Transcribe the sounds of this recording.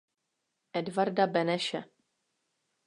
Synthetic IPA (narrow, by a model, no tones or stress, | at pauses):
ʔɛdvaɾdabɛnɛʃɛ